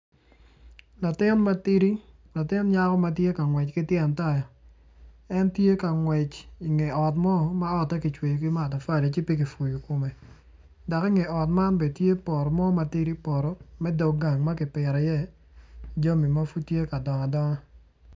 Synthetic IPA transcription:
la˨tɪ˦nma˦ti˦ɾi˦ | la˨tɪ˦n˦ɲa˦kɔ˦ma˦tje˦ka˨ŋwɛ˨t͡ʃkɪ˦tjɪ˦a˨nta˦ja˨ | ɛ˦ntje˦ka˨ŋwɛ˨t͡ʃi˨ŋe˨ɔ˨tmɔ˦ma˦ɔ˦tːɛ˦ki˨t͡ʃwe˨jo˨ki˦ma˦˨ta˨fa˦˨le˨t͡ʃi˦pi˦ki˨fu˨ju˨ko˨me˨ | dɔ˨ki˦ŋe˨ɔ˨tma˦nbe˨dtje˦pɔ˨ɾɔ˨mɔ˦ma˨ti˦ɾi˦pɔ˨ɾɔ˨mɛ˦dɔ˨ɡa˨ŋma˦kɪ˨pɪ˨ɾa˨jɛ˦˨ | d͡ʒo˦mi˨ma˦fu˦tje˦ka˨dɔ˨ŋɔ˨dɔ˦ŋɔ˦

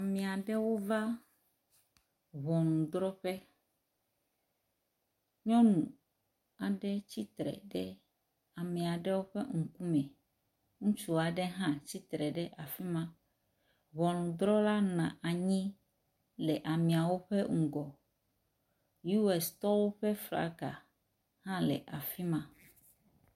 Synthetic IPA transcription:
a˨mɛ̃˨a˨ɖɛ˦wo˦va˦ | βɔ˨nũ˨d̪ɾɔ˦ɸɛ˦ | ɲɔ̃˦nũ˨ | a˨ɖɛ˦t͡ɕi˦t̪ɾɛ̰˨ɖɛ˦ | a˨mɛ̃˨a˨ɖɛ˦wo˦ɸɛ˦ŋ̩˨ku˦mɛ̃˨ | ŋũ˦t͡ʃu˦a˨ɖɛ˦ɦã˦t͡ɕi˦t̪ɾɛ˨ɖɛ˦ʔa˨fi˦mã˦ | βɔ˨lũ˨d̪ɾɔ˦la˦nã̰˨ʔa˨ɲĩ˦ | lɛ˨ʔa˨mɛ̃˨a˨wo˦ɸɛ˦ŋ̩̃˨ɡɔ˨ | ju˦ɛ˨st̪ɔ˦wo˦ɸɛ˦fla̰˦ka̰˨ | hã˦lɛ̰˨ʔa˨fi˦mã˦

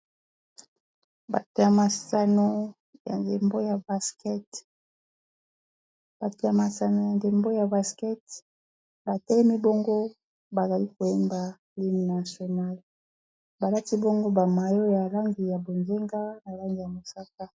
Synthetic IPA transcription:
ba̰˨te˨a˨ma˨sa˨no˦ | ja̰˨nde˨mbo˦ja˨ba˦skɛ˦t | b̥a˨te˨a˨ma˨sa˨no˨ja˨nde˨mbo˦ja˨ba˨skɛ˦t | ba˨tɛ˦lɛ˦mi˦bo˦ŋɡo˦ | ba˨za˨li˦ko˨e˦mba˨ | li˦m˨na˨so˨na˦li˨ | ba˨la˦ti˦bo˦ŋɡo˦ba˨ma˨jo˦ja˨la˦ŋɡi˨ja˨bo˨nze˦ŋɡa˦na˨la˦ŋɡi˨ja˨mo˨sa˦ka˦

